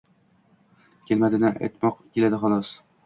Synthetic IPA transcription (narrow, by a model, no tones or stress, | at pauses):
kʲelmæd̪ɪnæʔæ̰jt̪mɒqkʲelad̪ɪχɒlˠɒs